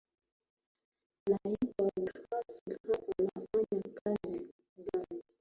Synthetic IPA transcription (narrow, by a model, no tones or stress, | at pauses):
laikaɡasiɡahasalafaɲakazi | ɡani